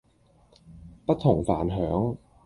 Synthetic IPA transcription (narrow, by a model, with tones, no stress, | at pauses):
pɐ˦˥t̚t̪ʰʊ˨˩ŋfaː˨˩˦nɦœː˨˦˥ŋ